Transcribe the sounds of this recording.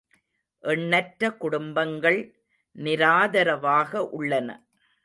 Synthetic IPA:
ʔɛɳːɐʈɾɐkːʊɽʊmbɐŋɡɐɭ | nɪɾaːðɐɾɐʋaːɣɐʔʊɭːɐnɐ̰

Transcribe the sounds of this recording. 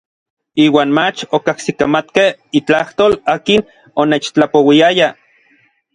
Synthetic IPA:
iːwaːnmat͡ʃokahsikamat̪kehit͡ɬaht̪oːlaːkin | oneːt͡ʃt͡ɬapowiaja

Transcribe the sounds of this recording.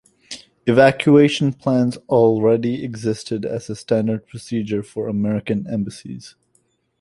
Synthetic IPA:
ɨvækʰjʉeɪʃn̩pʰl̥æ̃nzl̩ˠɹɛɾiɨɡzɪstɨɾɨ̰z̥əstæ̃ndə˞d̚pʰɹ̥ɨsid͡ʒə˞fə˞əmɛɹɨkɨ̃nɛ̰̃mbɨsḭz̥

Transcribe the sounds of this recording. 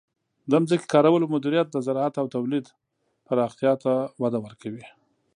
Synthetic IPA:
d̪əmzəke̥kɑɾawəlomʊd̪iɾijat̪̚d̪əzaɾɑat̪awt̪awlid̪ | paɾɑxt̪jɑt̪awad̪awəɾkʰawi

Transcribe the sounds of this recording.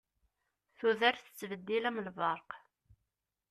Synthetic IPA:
θuðæɾθə̥t͡sːvəd̪ːilæmlvɑɾˤq

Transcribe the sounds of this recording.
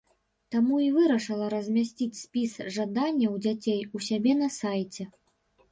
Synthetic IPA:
t̪amuivɨɾɐʂɨlˠɐɾɐzʲmʲasʲt͡sʲit͡sʲsʲpʲisʐad̪anʲːɐwd͡zʲat͡sʲejusʲabʲɛnɐsajt͡sʲɛ

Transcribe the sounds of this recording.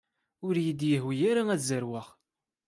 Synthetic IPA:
ʊɾjid̪jəhwijaɾaæzəɾwaχ

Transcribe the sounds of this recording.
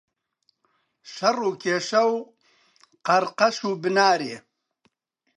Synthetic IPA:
ʃɐruːkʰeːʃɐw | qɐɾqɐʃuːbɨnaːɾeː

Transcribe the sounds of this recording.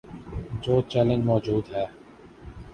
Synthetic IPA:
d͡ʒoːt͡ʃɛːlə̃nd͡ʒmɔːd͡ʒuːd̪ɦɛː

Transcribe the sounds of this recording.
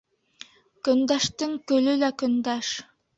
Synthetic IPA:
kɵ̆nd̪æʃt̪ɘŋkɵ̆lɵlækɵ̆nd̪æʃ

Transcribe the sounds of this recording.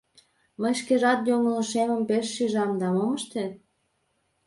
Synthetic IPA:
məjʃkeʒɑt̪joŋələ̆ʃemə̆mpeʃːyʒɑmd̪ɑmoməʃt̪et̪̚

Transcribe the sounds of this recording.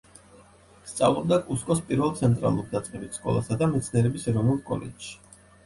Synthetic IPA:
st̪sʼa̰vlˠɔb̚d̪akʼuskʼɔspʼiɾvɛlˠt̪sʰɛnt̪ʼɾa̰lˠuɾd̪at̪sʼqʼɛbit̪skʼɔ̰lˠa̰sad̪amɛt̪sʰniɛɾɛbisɛɾɔvnulˠkʼɔ̰lɛ̰d͡ʒʃi̥

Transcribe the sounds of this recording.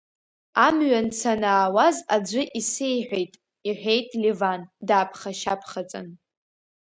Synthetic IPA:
amɥant͡sʰanaːwazad͡ʒʷʊʔisejħʷᶣejtʼ | iħʷᶣejtʼlivandaːpʰχaʃapʰχat͡sʼɨ̰n

